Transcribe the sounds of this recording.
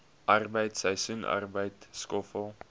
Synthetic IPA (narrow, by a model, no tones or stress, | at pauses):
ʔɐrbəjtsəjsunʔa̰rbəjtskɔfəlˠ